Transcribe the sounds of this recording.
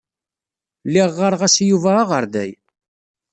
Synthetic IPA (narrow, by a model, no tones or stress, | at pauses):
lːɪʁːəɾʁæsjuvæːʁəɾðæ̰j